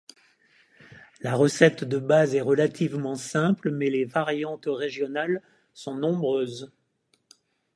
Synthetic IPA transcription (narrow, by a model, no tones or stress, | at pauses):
laʁəsɛt̪d̪əbazɛʁəlat̪ʰivmɑ̃sɛ̃plmɛlevaʁjɑ̃t̪ʁeʒjɔnal | sɔ̃nɔ̃bʁøːz